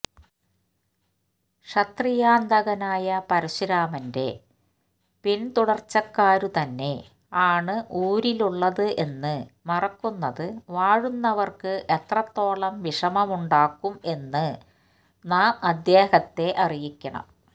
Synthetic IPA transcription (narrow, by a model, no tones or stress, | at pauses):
ʂɐt̪rijaːnd̪ʱɐɣɐnaːjɐpɐɾiɕuɾaːmɐnde̞̰ | pint̪uɽɐrt͡ɕːɐkːaːɾut̪ɐnːe̞̰ | aːɳɨʔuːɾiluɭːɐðɨʔe̞nːɨmɐrɐkːunːɐðɨʋaːɻunːɐʋɐrkɨʔet̪rɐt̪ːo̞ːɭɐmʋiʂɐmɐmuɳɖaːkːume̞nːɨ | naːmɐd̪jeːhɐt̪ːe̞ʔɐrijikʲːɐɳɐ̰m